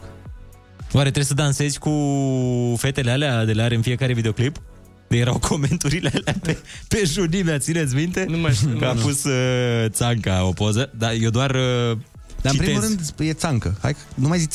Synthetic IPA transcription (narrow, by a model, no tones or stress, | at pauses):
waɾe̞t̪ɾesəd̪anse̞zʲku | fe̞t̪e̞lealead̪eleaɾɨnfie̞kaɾe̞vid̪eo̞klip̪ | əje̞ɾawkʰo̞me̞nt̪uɾilealeapepe̞ʒunimeat̪sinet̪sʲmint̪e̞kəafost̪ət̪saŋkaopozəd̪ajewd̪oarə | d̪at͡ʃipit̪emulɾɨnd̪jet̪saŋkəha̰jkənumajzit͡ʃʲ